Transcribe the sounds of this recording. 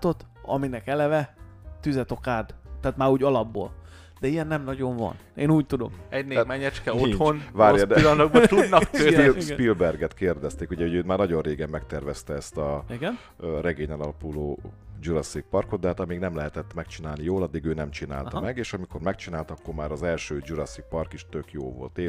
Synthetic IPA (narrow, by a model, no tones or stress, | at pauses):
t̪o̞t̪ | ɒ̰minɛkɛlɛvɛt̪yzɛt̪o̞kaːd̪t̪ːaːt̪maːɾuːɟɒlɒbːo̰ːl | d̪̥ɛijɛnːɛmnɒɟo̞ɱvɒ̰neːnuːc̚t̪ud̪o̞̰kɛɟneːmɛɲɛt͡ʃkɛotihonvaːɾjɒd̪ilɒnoɡbɔt̪udd̪nɒkøspilbɛrɡɛt̪keːrd̪ɛst̪eːkuɟɛɦoøːt̪maːrnɒɟo̞nreːɡɛmːɛkt̪ɛrvɛst̪ɛɛst̪ɒiɡn | rɛɡeːɲɛnɒlɒpuloːd͡ʒuɾɒsik̚pɒrko̞t̪̚d̪ɛɦaːt̪ɒmiːɡnɛmlɛɦɛt̪ɛt̪ːmɛkt͡ʃinaːlnijoːlɒd̪ːiɡøːnɛmt͡ʃina̰ːlt̪ɒmɛɡeːʃɒmikʰo̞rmɛkt͡ʃinaːlt̪ɒkːo̞rmaːɾɒzɛlʃøːd͡ʒuɾɒsik̚pɒrkiʃt̪ø̞kjoːvo̞̰lt̪eː